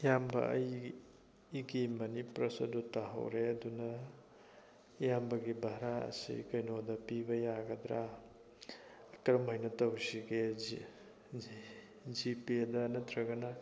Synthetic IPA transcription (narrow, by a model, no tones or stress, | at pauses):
jambɐ̰ɐj | ɡimɐnipɾɐsɐdutːaɦɐ̰wɾeɐdunɐ | jambɐɡibʱaɾaɐ̰sḭkɐjnodɐpibɐjaɡɐd̪ɾa | kɾɐmajnɐtɐwsiɡe | d͡ʒipidɐnɐt̪ʰɾɐɡɐnɐ